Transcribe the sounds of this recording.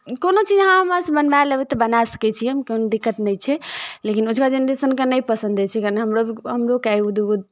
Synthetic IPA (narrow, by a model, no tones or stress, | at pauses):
konot͡ʃid͡ʒɦãɦəmãsə̃bənbajləbɛt̪ɔbənasə̥kɛt͡ʃʰiəmkonod̪ikːət̪nət͡ʃʰɛlekinud͡ʒʱkad͡ʒeneɾesənkenəjpəsə̃nd̪ʱet͡ʃʰɛkaneɦəmɾoiɦəmɾokaiud̪uud̪̚